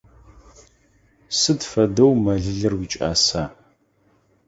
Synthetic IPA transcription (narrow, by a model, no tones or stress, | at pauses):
sɨdfɐdɐwmɐɮɨɮɨrwit͡ʃʼa̰ːsaː